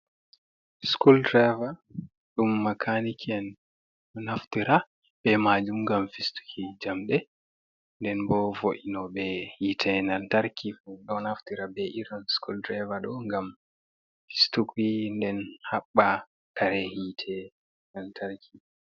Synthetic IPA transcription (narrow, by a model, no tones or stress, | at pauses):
skuldɾɛva | ɗumːakʰanikʰɛn | ɗɔnaftiɾa | ɓɛmad͡ʒumŋɡamfistu̥kʰid͡ʒamɗɛ | ndɛnbɔvoʔinɔɓɛhitʰɛnantaɾkifuɗɔnaftiɾabɛʔiɾɔnskuldɾavaɗɔŋɡam | fi̥stukindɛnhaɓːa | taɾɛhitʰɛ | nantʰaɾkʰi